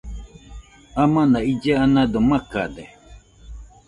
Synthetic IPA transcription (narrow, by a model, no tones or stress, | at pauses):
amãnaid͡ʒeanãd̪omaka̰d̪e